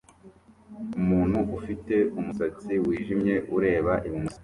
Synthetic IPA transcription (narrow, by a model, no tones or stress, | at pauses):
umuːn̥huʔufite̞umusat͡siwiːʒimɲe̞ʔuɾe̞ːβaʔimimusa